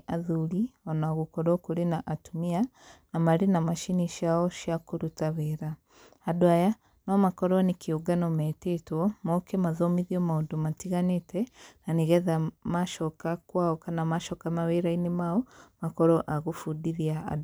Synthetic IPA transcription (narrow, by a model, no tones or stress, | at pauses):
ʔaðulionaɣukoɾokuɾinaʔatumia | namaɾinamaʃiniʃjaoʃjakuɾutaβeɾaː | dwaja | nomakoɾonikiuɡanometetwomokemaðomiðiomaudomatiɣanetenaniɣɛðamaʃokakwaokanamaʃɔkamaβeɾainemaomakoɾoʔaɣufudiðiaa̰